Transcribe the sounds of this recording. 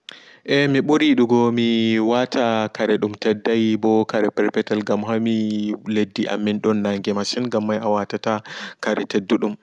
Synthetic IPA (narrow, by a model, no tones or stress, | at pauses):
ʔɛmiɓuɾiɗuɡɔmiwatʰakaɾɛɗumtɛdːajbɔkaɾɛpɛɾpɛtɛlɡamɦamiledːiʔa̰mːinɗɔnːaŋɡɛmaʃinɡamːajʔawatatakaɾɛ̰tɛdːuɗum